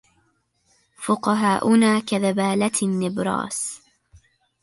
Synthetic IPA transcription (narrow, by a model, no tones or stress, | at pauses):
fʊqɑɦaːʔʊnaːkaðabaːlat̪nːɪbɾˤɑ̰ːs